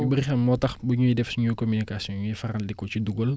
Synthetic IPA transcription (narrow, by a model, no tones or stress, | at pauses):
buɾxɐnmɔtɐxbuɲujidɛfsɲukɔminikasiɔɲujifɐɾɐldɛkːɔciduɡɔl